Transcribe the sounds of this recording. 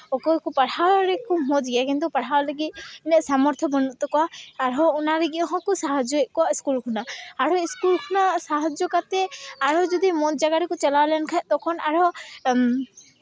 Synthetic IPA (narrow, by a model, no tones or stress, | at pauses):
ɔkɔkɔpaɽawɾɛkɔmɔd͡ʒɡɛjakint̪upaɽ̤awləɡit̪̚nɛsamɔɾt̪ʰɔbɔnuʔt̪ɔkɔaːɾɦɔɔnaɾɛɡiʔɦɔ̃kɔsaɦad͡ʒɔɛʔ̚kɔwaiskulkʰunaaɽɦɔiskulkʰunasaɦad͡ʒɔkat̪ɛaɽɔd͡ʒɔd̪imɔd͡ʒaɡaɾɛkɔt͡ʃalawlɛnkʰat̪ɔkʰɔnaɽɔ